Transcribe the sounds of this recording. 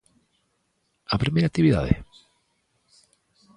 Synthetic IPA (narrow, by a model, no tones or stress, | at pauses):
apɾimejɾak̚t̪iβiða̰ðḛ